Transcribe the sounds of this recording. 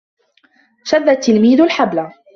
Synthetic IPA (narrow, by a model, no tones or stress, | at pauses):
ʃaðːat̪ːɪlmiːðʊlħabla